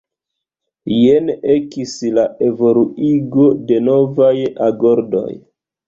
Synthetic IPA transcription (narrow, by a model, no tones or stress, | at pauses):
jene̞kislaʔe̞vo̞luiɡo̞de̞no̞vajaɡo̞ɾdo̞̰j